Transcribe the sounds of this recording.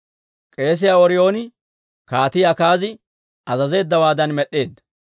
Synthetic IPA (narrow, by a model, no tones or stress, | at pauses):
kʼe̞ːs̬ɪjaɔɾɪjo̞ːnɪ | kaːt̪ɪjakaːzɪ | ɐzɐze̞ːd̪ːɐwaːd̪ɐnmɛɗːe̞ːd̪ːɐ̥